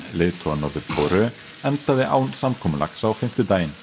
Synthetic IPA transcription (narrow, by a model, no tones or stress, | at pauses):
lɪːðt̪ʰɔanːɔɾðɪpʰɔwɾʏ | ɛnt̪aðɪʔa̰ːwnsamkʰɔːmla̰ksawfɪm̥t̪ʏt̪aːjɪn